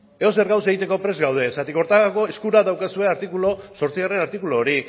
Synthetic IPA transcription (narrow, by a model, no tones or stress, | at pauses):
eo̞seɾɣaws̬e̞ɣ̞it̪e̞ko̞pɾe̞zɣawð̞e̞sat̪iko̞ɾt̪ako̞eskuɾaðawkasue̞aɾt̪ikulo̞so̞ɾt͡siɣare̞naɾt̪ikulo̞ːɾi